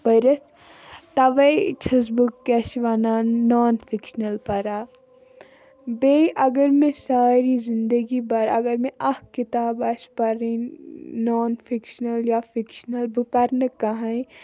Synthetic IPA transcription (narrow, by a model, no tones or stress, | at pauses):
bɐɾɐt̪ | t̪ɐʋɐjt͡ʃʰɐs̬bukːɐʃʋanaːnːoːnfʰikʃnɐlpɐɾaː | beiʔɐɡəɾmẽsaːɾizind̪əɡibɐɾɐɡəɾmẽʔɐhkit̪aːbɐspɐɾĩnoːnfʰikʃnɐljafʰikʃnɐlbupɐɾnɨkːɐɦɐ̃ĩ